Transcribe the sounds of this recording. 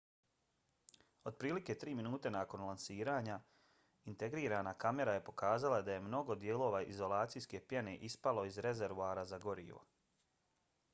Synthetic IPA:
o̞d̪̚pɾiːlike̞t̪ɾiːminuːt̪e̞naːko̞nlˠansiːɾaːɲa | int̪e̞ɡɾiːɾaːnakame̞ɾaje̞po̞kaːzalad̪aje̞mno̞ɡo̞d̪jeːlˠo̞ːʋaʔizo̞lˠaːt̪sijske̞pjene̞ʔispalo̞izɾe̞zeɾʋuaɾazaɡo̞ɾḭːʋo̰

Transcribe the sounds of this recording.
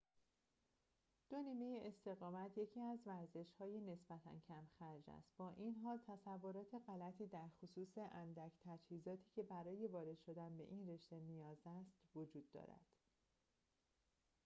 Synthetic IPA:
d̪̥o̞niːme̞jeʔest̪e̞ɣɒːmæt̪ʰje̞cʰiːæzvæɾze̞ʃhɒːjene̞sb̥æt̪ʰæ̰ncʰæmxæɾd͡ʒæ̰st̪bɒːʔinɦɒːlt̪ʰæsævːo̞ɾɒːt̪ʰe̞ɣælæt̪ʰiːd̪æɾxosuːse̞ʔænd̪æcʰt̪ʰæd͡ʒhiːzɒːt̪ʰiːcʰe̞bæɾɒːje̞vɒːɾe̞d̪̥ʃo̞d̪ænbe̞̰ʔinre̞ʃt̪e̞nijɒːzæst̪vod͡ʒuːd̪ːɒ̰ːɾæ̰d̪̥

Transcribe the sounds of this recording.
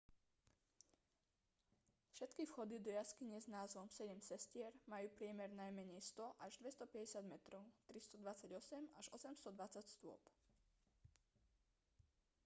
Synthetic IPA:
fʃɛt̪kifxɔd̪id̪ɔjaskiɲɛznaːzʋɔmsɛɟɛmsɛscɪɛɾmajuːpɾɪɛmɛɾnajmɛɲɛjst̪ɔʔaʒd̪ʋɛst̪ɔpɛɟɛsad̪mɛt̪ɾɔʊt̪ɾist̪ɔd̪ʋat͡saɟɔsɛmaʒɔsɛmst̪ɔd̪ʋat͡sacst̪ʊɔ̰p

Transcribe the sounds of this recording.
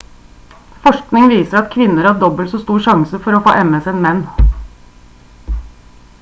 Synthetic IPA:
fɔʂknɪŋʋiːsəɾɑt̪kʰʋɪnəɾhɑːɖɔbəlsɔːst̪uːʂɑŋsəfɔɾoːfo̰ːʔɛməsɛnmɛnː

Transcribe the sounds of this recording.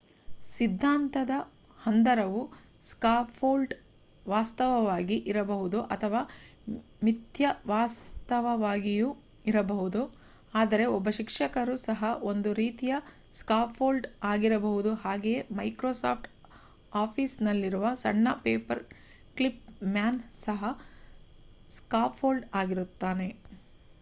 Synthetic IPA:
sid̪ʱːaːnt̪ɐd̪ɐ | hɐnd̪ɐɾɐʋu | skaːpʰoːlɖ | ʋaːst̪ɐʋɐʋaːɡiʔiɾɐbɐɦud̪uʔɐt̪ʰɐʋaː | mit̪jɐʋaːst̪ɐʋɐʋaːɡiju | iɾɐbɐɦud̪u | aːd̪ɐɾe̞ɔbːɐʃikʂɐkɐɾusɐɦɐo̞nd̪uɾiːt̪ijɐ | skaːpʰːoːlɖaːɡiɾɐbɐɦud̪uɦaːɡejemɐjkɾoːsa̰ːpʰʈ | aːpʰiːsnɐlːiɾuʋɐsɐ̰ɳːɐpeːpɐɾ | klip̚maːnsɐɦɐ | skaːpʰoːlɖaːɡiɾut̪ːaːne̞

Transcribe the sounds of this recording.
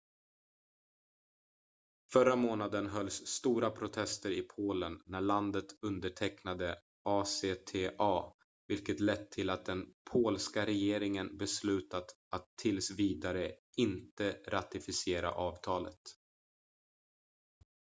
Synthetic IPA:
fœɾamoːnad̪ənɦœlsːt̪uːɾapʰɾʊt̪ʰɛst̪əɾɪpʰoːlənːæɭand̪ət̪ɵnd̪əʈʰɛknad̪ə | ʔɑːseːt̪ʰeːʔɑː | vɪlkət̪lɛt̪ʰːɪlat̪̚d̪ɛnpʰoːlskaɾɛjeːɾɪŋənbɛslʉ̟ːt̪at̪ | at̪ʰːɪlsviːd̪aɾə | ɪnt̪əɾat̪ɪfɪsɪeːɾa̰ʔɑːvt̪ʰɑːlə̰t̪

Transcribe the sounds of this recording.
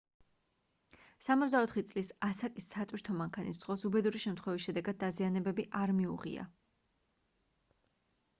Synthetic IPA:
samɔt̪zd̪aɔt̪ʰχit̪sʼlisasakʼisːat̪ʼwiɾt̪ʰɔmaŋkʰanḭsz̥ʁɔsubɛd̪uɾiʃɛmt̪ʰχwɛvisʃɛd̪ɛɡad̪̚ːazianɛbɛbiʔaɾmiṵʁḭa̰

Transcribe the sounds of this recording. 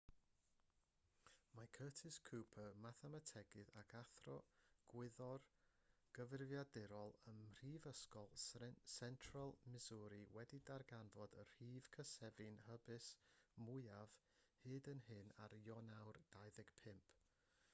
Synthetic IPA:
makʰəːtʰɪskʰupʰəmaθɛmatʰɛɡɨðakʰaθrɔɡ̥wɪðɔr | ɡ̥əvɪrvjadɪɾɔlˠənr̥iːvəskɔlˠsɛntʰralˠmɪzuɾɨwɛdidarɡanvɔdərhiːv̥kʰəsɛvɨnhəbɨsmʊɨav̥ | hɨːdənɦɨnaɾjɔnawrd̥ajðɪɡ̥pʰɪmpʰ

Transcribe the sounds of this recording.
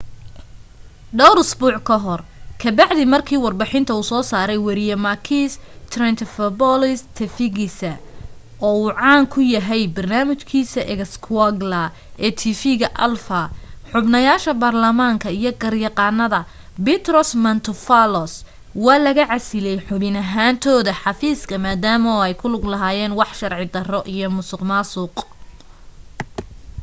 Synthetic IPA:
ɖɔwɾʊsbuːʕkʰɐɦɔrkʰɐbɑʕðɪmɐrkʰiːwɑrbɑħɪnt̪ʰɐuːsɔːsaːɾɛjwɐɾɪjɐmɐkʰiːst̪ʰrɛnt̪ʰfɐbɔlɪst̪ʰɛfɪɣɪsɐ | ʔɔːuːʕɑːŋkʰʊjɐɦɛjbɐrnaːmɪt͡ʃkʰiːsɐʔɛɣskʰwaɡlɐ | ʔɛːt̪ʰiːfiɣɐʔɐ̰lfɐħʊbnɐjaːʃɐbaːrlɐmaːŋkʰɐijɔɡɐrjɑqɑːnɐðɐ | bɪt̪rɔsmɐnt̪ʰʊfalɔs | wɑːlɐɣɐʕɑsɪlɛjħʊβɪnɐɦaːnt̪ʰɔːðɐħɑfiːskʰɐmaːd̪aːmɔɛjkʰʊlʊɡlɐɦaːjɛːnwɑħʃɐrʕɪd̪ɐrɔʔijɔmʊsɪqmaːsuːq

